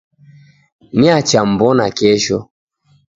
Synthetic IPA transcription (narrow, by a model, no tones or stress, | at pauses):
niat͡ʃam̩bɔnakɛʃɔ